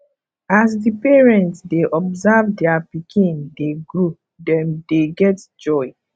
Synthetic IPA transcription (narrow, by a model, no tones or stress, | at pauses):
as̬dipɛɹɛ̃ntsdeʔɔbzavdɛapikĩndeɡɹu | dɛ̃mdeɡɛtd͡ʒɔɪ